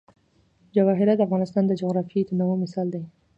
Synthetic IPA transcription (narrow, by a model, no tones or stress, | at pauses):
d͡ʒawɑɦɪɾad̪əafɣɑnɪst̪ɑnd̪əd͡ʒoɣɾɑfit̪ənawomɪsɑld̪aj